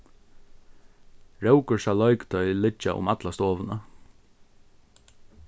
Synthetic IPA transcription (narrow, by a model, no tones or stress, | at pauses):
ɹɛwkʊɹsalɔjkt̪ʰœʏlɪt͡ʃːaʔʊ̰mat̪last̪oːʋɪna